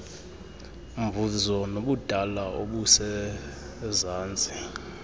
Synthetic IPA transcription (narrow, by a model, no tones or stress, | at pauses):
mvuzɔnoɓud̥ʱalaʔoɓusɛ | zaːnd͡zʱʼi